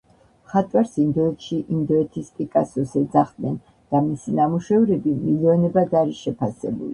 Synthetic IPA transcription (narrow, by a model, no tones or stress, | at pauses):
χat̪ʼwaɾsind̪ɔɛt̪ʰʃiʔind̪ɔɛt̪ʰisp̪ʼikʼasɔsɛd̪zaχd̪nɛn | d̪̥amisinamuʃɛvɾɛbimiliɔnɛbad̪aɾiʃɛpʰasɛ̰bṵli